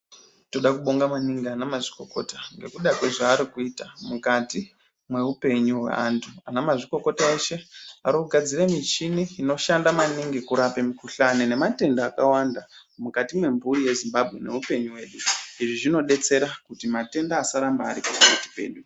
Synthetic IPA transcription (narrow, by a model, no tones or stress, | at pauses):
to̞ɗakuɓo̞ŋɡamaniŋɡianamaʐiko̞ko̞taŋɡe̞kuɗakwe̞ʐaːɾikuitamukati | mwe̞upe̞ɲuwḛa̰ntʰuanamaʐiko̞ko̞taeʃe̞aɾikuɡʱad͡ziremit͡ʃiniːno̞ʃandamaniŋɡikuɾape̞mikuɬanine̞mate̞ndaːkawanda | mukatimwe̞mbuɾije̞zimbabʱɣe̞̰ne̞̰upe̞ɲuwe̞ːɗuiʐiʐino̞ɗe̞t͡se̞ɾakutimate̞ndaːsaɾambaːɾikutaati̥pe̞̰ɗu